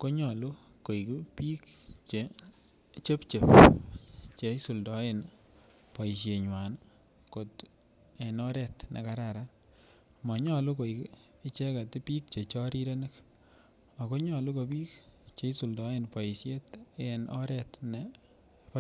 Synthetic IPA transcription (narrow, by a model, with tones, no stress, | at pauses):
ko˦ɲɔ˨lu˦ | ko˨i˨ki˦pi˦kt͡ʃe˨ | t͡ʃe˦pt͡ʃe˨p | t͡ʃe˨˦su˨ldɔ˨˦e˨n | pa˨i˨ʃe˨ɲwa˨n | ko˨t | e˨nɔ˦ɾɛ˦tnʔḛ˨ka˦ɾa˨ɾa˦ | ma˨ɲɔ˦lu˦ko˨i˨kɪ˦t͡ʃɛ˦ka˨ti˦piː˦k̚t͡ʃe˨t͡ʃɔ˦ɾi˦ɾe˦ne˦k | ma˨ko˦ɲɔ˨lu˦ko˨piː˦k̚t͡ʃe˨˦su˨ldɔ˨˦e˦npa˨i˨sje˦tenʔɔ̰˦ɾɛ˨tne˨ | p